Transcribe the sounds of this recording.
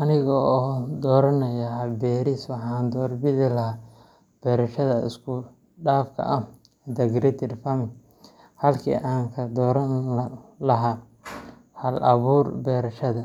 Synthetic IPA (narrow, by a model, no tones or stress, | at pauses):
ʔɐnɪɣɔɔːd̪ɔːɾɐnɐjɐɦɐlbɛːɾɪswɑħɑːnd̪ɔːrbɪʕɪlɐɦaː | b̥ɛːɾɐʃɐðɐɪ̰skʰʊ | ɖaːfkʰɐ̰ʔɐ | d̪ɐɡɾɛt̪ʰɪrfɐmɪ | hɐlkʰḭːʔaːŋkʰɐd̪ɔːɾɐnlɐɦaː | hɐlʔɐβuːrbɛːɾɐʃɐðɐ